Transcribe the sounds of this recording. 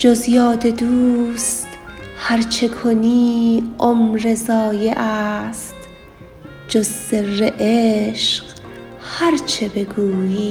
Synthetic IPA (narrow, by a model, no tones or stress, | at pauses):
d͡ʒozjɒːd̪ʰe̞d̪uːst̪hæɾt͡ʃʰe̞kʰoniːʔomɾe̞zɒːje̞ʔæst̪ | d͡ʒozːeeʔeʃq | hæɾt͡ʃʰebe̞ɡuːjiː